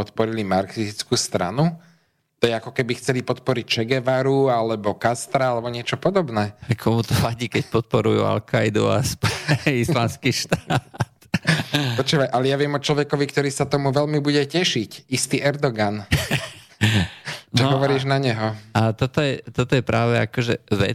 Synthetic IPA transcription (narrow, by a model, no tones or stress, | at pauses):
pɔt̪pɔɾilimaɾksiit͡skuːst̪ɾa̰nu | t̪ɔjɛakɔkɛbixt͡sɛlipɔt̪pɔɾic̚t͡ʃɛɡɛʋaɾualɛbɔkast̪ɾaalɛbɔɲɪɛt͡ʃɔpɔd̪ɔbnɛːkʰɔmut̪ɔʋaɟiːkɛc̚pɔt̪̚pɔɾujṵa̰lkʰajd̪ṵa̰spɔislanskiːʃt̪at̪pɔt͡ʃuːʋajʔalɛjaʋɪɛmɔt͡ʃlɔʋɛkɔʋikt̪ɔɾiːsat̪ɔmuʋɛʎmibuɟɛcɛʃicist̪iːʔɛɾd̪ɔɡan | nt͡ʃɛɔʋɔɾiːʒnaɲɛɦɔat̪ɔt̪ɔjɛt̪ɔt̪ɔjɛpɾaːʋɛakɔʒɛ̰ʋɛ̰